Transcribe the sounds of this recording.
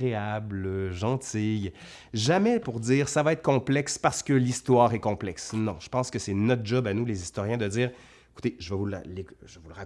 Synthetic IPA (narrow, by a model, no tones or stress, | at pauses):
ʁeabləʒɑ̃t̪ij | ʒamɛpuʁd̪iːʁsavaɛt̪χkɔ̃plɛkspaʁsə̥kəlist̪waːʁɛkɔ̃plɛksnɔ̃ʒ̥ə̥pɑ̃skəsɛnɔt̪χʒɔbanulezist̪ɔʁjɛ̃d̪əd̪d͡ziːʁ | eku̥t̪eʒəvəvulleʒəvulʁa